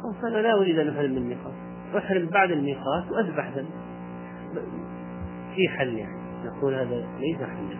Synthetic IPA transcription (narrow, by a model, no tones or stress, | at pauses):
xɑːsˤʔanalaʔʊɾiːd̪ʔanːʔʊħɾɪmːɪnnːiːqɑːt̪ | ʔaħɾɪmbaʕd̪ɪnːiːqɑːt̪wʔaθbaħd̪anː | b | fiħalːja̰ʕni | naquːlhaːðalejsaħalːa̰